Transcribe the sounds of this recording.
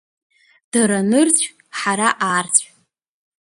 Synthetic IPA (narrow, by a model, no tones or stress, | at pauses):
d̥aɾanɨrt͡ɕʷʰ | ħaɾaʔaːrt͡ɕʷʰʼ